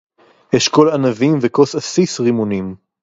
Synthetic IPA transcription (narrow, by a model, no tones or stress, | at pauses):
jeʃko̞lanavimveko̞sasisʁimunim